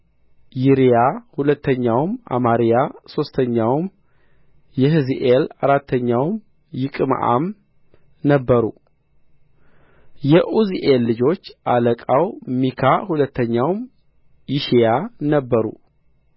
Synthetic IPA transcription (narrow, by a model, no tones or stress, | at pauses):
jiɾijahulət̪ʰːəɲːawma̰maɾijaso̞st̪ʰəɲːawm | jɛɦɨziʔela̰ɾat̪ʰːəɲːawm | jɪkʼɨm̰ʔa̰m | nəbːəɾṵ | jɛʔuziʔelːɨd͡ʒo̞t͡ʃːʔaləkʼawmikʰahulət̪ʰːəɲːawm | jɪʃijanəbːəɾṵ